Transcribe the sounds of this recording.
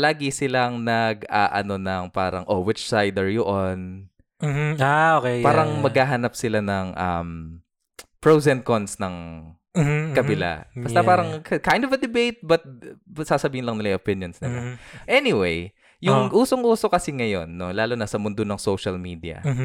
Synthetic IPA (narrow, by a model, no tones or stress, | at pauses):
laːɡɪsɪlaŋnɐɡa̰ːʔɐno̞nɐŋpa̰ːɾɐ̰ŋʔowɪt͡ʃsajd̪ɐɹjʊʔonː | aokɛpaːɾɐŋmɐɡhaːɦɐnɐp̚sɪlanɐŋʔɐ̰m | pɹozɛnt̪̚konsnɐŋ | kɐbɪla̰bɐst̪ɐpaːɾɐŋkɐkajnd̪ovɐd̪ɪbejt̪̚bɐt̪̚bsaːsɐbiːhɪnlɐŋnɪlajʔopɪnjonsnɪ̰laʔɛnɪwej | jʊŋʔuːsoŋʔuːso̞kɐsiŋɐjo̞nːo̞laːlonɐsɐmʊnd̪onɐŋsowʃɐlmiːd̪iɐ̰